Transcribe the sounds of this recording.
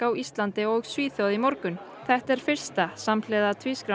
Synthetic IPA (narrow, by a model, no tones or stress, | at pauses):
kawist̪lant̪ɪɔɣsviːθjɔwðimɔɾkʏn | θɛht̪ɛɾ̥fɪr̥st̪asamlɛðat̪ʰviːskɾa